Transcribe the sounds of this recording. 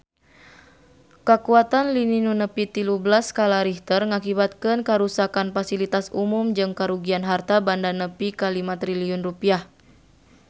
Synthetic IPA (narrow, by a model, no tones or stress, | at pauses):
kəkuat̪anlininunəpit̪ilublaskalaɾiht̪ərŋakibat̪̚kɨnkəɾusakanfasilit̪asumumd͡ʒɨŋkaɾuɡianɦart̪abandanəpikalimat̪ɾiliʊnrupiah